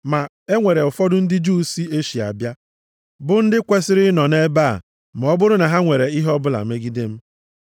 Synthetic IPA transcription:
ma˨ | e˦ŋʷe˨ɾe˨ʊ˨fɔ˦dʊ˦n̩˦dɪ˦d͡ʒu˦si˦e˦ʃi˨a̰˨bja˦ | bʊ˦n̩˦dɪ˦kʷe˦sɪ˦ɾɪ˦nɔ˨ne˦ba̰˦˨ | m̩˨ɔ˦bʊ˦ɾʊ˦na˨ɦa˦ŋʷe˨ɾe˨i˦ɦɔ˦bʊ˦la̰˨me˦ɡi˦de˦m̩˦

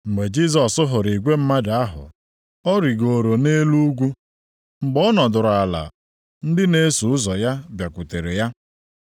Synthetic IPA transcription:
ŋ͡m̩˨ɡ͡be˨d͡ʒi˦s̬ɔ˨sʊ˦ɦʊ˨ɾi˨ɡʷe˦m̩˦ma˦da˦ɦʊ̰˨ | ɔ˦ɾi˨ɡo˨ɾo˨ne˦lu˦ɡʷu˦ | ŋ͡m̩˨ɡ͡bɔ˦nɔ˨dʊ˨ɾʊ˨a˨la̰˨ | n̩˦dɪ˦ne˦su˨ʊ˦zɔ˨ja˦bja˨kʷʊ˨te˨ɾe˨ja˦

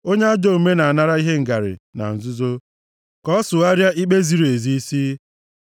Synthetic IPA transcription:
o˦ɲe˦a˦d͡ʒɔ˦˨u˨me˦na˨a˨na˦ɾa˦i˦ɦe˦ŋ̩˨ɡa˨ɾɪ̰˨na̰˨n̩˨zʊ˦zo˦ | kɔ˦sʊ˨a˦ɾja˦ʔi˦k͡pe˦zi˨ɾu˨e˨zi˦i˦si˦

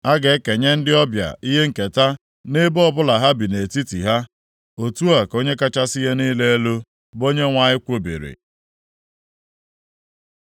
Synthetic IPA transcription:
a˦ɡe˨˦ke˨ɲe˦n̩˦dɪ˦ɔ˦bja̰˨i˦ɦe˦ŋ̩˨ke˨ta˦ | ne˦bɔ˦bʊ˦la˨ɦa˦bi˨ne˨ti˦tḭ˨ɦa˦ | o˨tu˦a˨ko˦ɲe˦ka˦t͡ʃa˦si˦ɦe˦ni˦le˦e˦lo˦ | bo˦ɲe˦ŋʷa˨ɲɪ˦kʷo˦bḭ˨ɾḭ˨

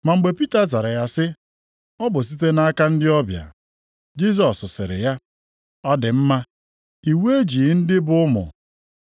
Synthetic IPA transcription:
ma˨ŋ͡m̩˨ɡ͡be˨pi˦ta˨za˨ɾa˨ja˨sɪ˦ | ɔ˦bʊ˨s̬i˦t̬e˦na˦a˦ka˦n̩˦dɪ˦ɔ˦bja̰˨ | d͡ʒi˦s̬ɔ˨sːʊ˨sɪ̰˨ɾɪ̰˨ja˦ | ɔ˦dɪ˨m̩˦ma˦ | i˨we˦e˦d͡ʒi˨˦n̩˦dɪ˦bʊ˦ʊ˦mʊ̰˨

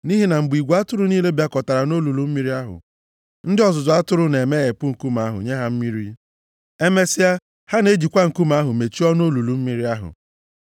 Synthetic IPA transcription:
ni˦ɦi˦na˨m̩˨bi˨ɡʷa˦tʊ˦ɾʊ˦niː˦le˦bja˦kɔ˨ta˨ɾa˨no˦lu˨lu˨m̩˦mi˦ɾi˦a˦ɦʊ̰˨ | n̩˦dɪ˦ɔ˨zʊ˨zʊ˨a˦tʊ˦ɾʊ˦ne˨me˦ɣe˨pʊ˦ŋ̩˨ku˦m˨a˦ɦʊ̰˨ɲe˦ɦa˦m̩˦mi˦ɾi˦ | e˦me˦si˦a˦ | ha˦ne˦d͡ʒi˨kʷa˦ŋ̩˨ku˦ma˦ɦʊ˨me˨t͡ʃi˦ɔ˦no˦lu˨lu˨m̩˦mi˦ɾi˦a˦ɦʊ̰˨

